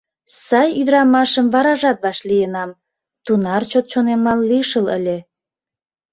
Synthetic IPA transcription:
sɑjyd̪əɾɑmɑʃəmβɑɾɑʒɑt̪βɑʃlijənɑm | t̪unɑrt͡ɕot̪̚t͡ɕonemɑlːiʃələ̰lʲe

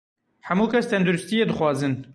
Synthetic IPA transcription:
ħɛmuːkʰɛst̪ʰɛnd̪uɾɨst̪ijeːd̪ɨxwɑːzɨn

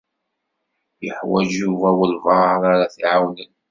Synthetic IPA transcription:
jəħwæd͡ʒjuvæwəlvɑɾˤaɾaθiʕawnən

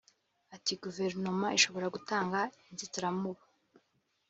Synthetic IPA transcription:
atiɡuve̞ɾnomaiʃo̞βo̞ɾaɡutaːŋɡainzitiɾamuβa

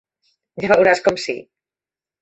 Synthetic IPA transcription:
d͡ʒaβawɾaskɔmsḭ

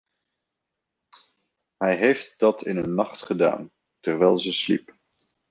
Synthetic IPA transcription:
ɦɛjɦejft̚d̥ɑtʰɪnənːɑχtχəda̰ːn | təɹʋɛjlˠzəslḭp

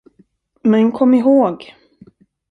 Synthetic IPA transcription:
mɛnkʰɔmːɪɦoːɡ

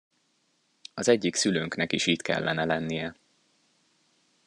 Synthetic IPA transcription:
ɒzɛɟːiksyløːŋknɛkiʃiːt̪kɛ̰lːɛnɛlɛnːijɛ

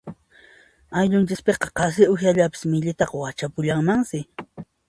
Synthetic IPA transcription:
ajʎʊnt͡ʃɪspeqɑqɑs̬ɪʊxjaʎapɪ̥smɪʎɪt̪ɑqɑwat͡ʃapʊʎaŋmaŋsɪ

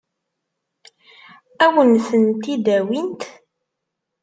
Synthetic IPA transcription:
æwənθənt̪id̪æwint̪

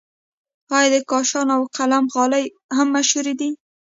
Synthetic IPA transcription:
ɑjɑd̪əkɑʃɑnawqalamɣɑlaj | ɦamːaʃhuɾid̪i

